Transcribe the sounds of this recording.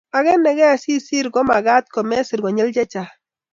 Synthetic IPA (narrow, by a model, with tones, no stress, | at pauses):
a˨ɡɛ˦nːɛ˨ɡɛ˦˨si˦si˦ɾɡɔ˦ma˨ɡa˦t̪̚kɔ˨mɛ˦si˨ɾɡo˨ɲɛ˦ld͡ʒɛ˦t͡ʃa˨